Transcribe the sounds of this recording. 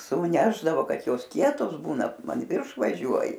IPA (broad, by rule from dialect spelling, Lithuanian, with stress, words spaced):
suːˈnʲæːʒdɐʋoː ˈkɐt ˈjoːs ˈkʲiɛtoːs ˈbuːnɐ ɐn ˈʋʲɪrʃ ʋɐˈʒʲuɔjɪ